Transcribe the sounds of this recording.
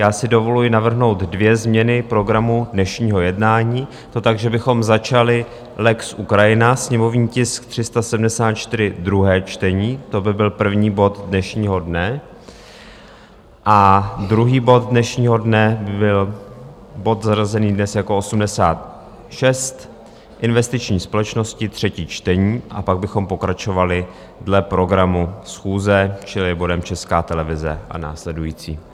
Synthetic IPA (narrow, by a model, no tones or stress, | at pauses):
jaːsɪdo̞vo̞lujɪnavr̩ɦno̞wt̪dvjɛzmɲɛnɪpɾo̞ɡɾamudnɛʃɲiːɦo̞jɛdnaːɲiː | t̪o̞t̪aɡʒɛbɪxo̞mzat͡ʃalɪ | lɛksʔukɾajɪnasɲɛmo̞vɲiːcɪskt̪r̝̥ɪst̪asɛdm̩dɛsaːt̪t͡ʃt̪ɪɾɪd̪ɾuɦɛːt͡ʃt̪ɛɲiːt̪o̞bɪbɪlpr̩vɲiːbo̞t̪dnɛʃɲiːɦo̞dnɛ | ʔad̪ɾuɦiːbo̞t̪̚dnɛʃɲiːɦo̞dnɛbbɪl | bo̞t̪zarazɛniːdnɛsjako̞ʔo̞sumdɛsaːt̪ | ʃɛst̪ | ʔɪnvɛst̪ɪt͡ʃɲiːspo̞lɛt͡ʃno̞scɪt̪r̝̥ɛciːt͡ʃt̪ɛɲiːʔa̰paɡ̚bɪxo̞mpo̞kɾat͡ʃo̞valɪ | dlɛpɾo̞ɡɾamusxuːzɛt͡ʃɪlɪbo̞dɛmt͡ʃɛskaːt̪ɛlɛvɪzɛ̰ʔa̰na̰ːslɛdujiːt͡siː